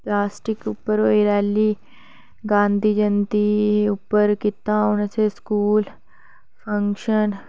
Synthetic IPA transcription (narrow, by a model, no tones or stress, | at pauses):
plaːsʈɪkʊpːəɾoːiɾɛːlːiː | ɡãːnd̪iːd͡ʒənt̪iːʊpːəɾkɪt̪ãːʊnəseskuːl | pʰəŋkʃən